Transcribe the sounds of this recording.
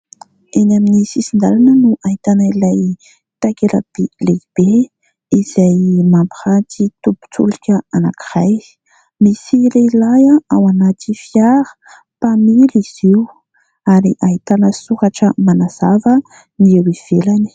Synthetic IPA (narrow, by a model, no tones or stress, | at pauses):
enaminisisind̪alanənuʔaɦit̪anailaj | t̪akela̰b̥eleb̥e | iz̥ajmampihat̪it̪ubu̥t͡sṵlikʲəana̰kiraj | misileilajaʔawanat̪ifiaɾə̥ | pamiliz̥iw | aɾiʔaɦit̪anəsuɾaʈ͡ʂəmanaz̥avə | niewiv̥elani̥